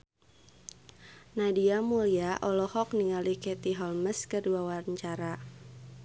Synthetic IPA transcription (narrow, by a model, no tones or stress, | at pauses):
nadiamuliaʔɔlɔhɔk̚niŋalikɛt̪iɦɔlməskərduawaɾəɲt͡ʃaɾa